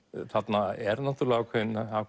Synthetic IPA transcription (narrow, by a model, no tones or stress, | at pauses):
θat̪naɛɾnat̪ʏɾlaakʰvɛnaak